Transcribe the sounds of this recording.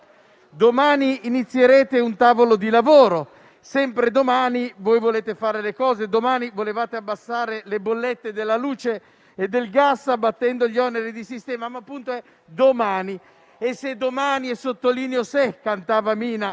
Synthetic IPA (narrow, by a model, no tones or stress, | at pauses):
d̪omaːniːnit̪sːjeɾeːt̪eunt̪aːvolod̪ilavoːɾo | sɛmpɾed̪omaːnivojvoleːt̪efaːɾelekɔːzed̪omaːnivolevaːt̪eabːasːaːɾelebolːet̪ːed̪elːaluːt͡ʃeː | d̪ːelɡasːabːat̪ːɛnd̪oʎiɔneɾid̪isist̪ɛːmamapːunt̪oɛ | d̪omaːni | esːed̪omaːniɛsot̪ːoliːneosekːant̪aːvamiːna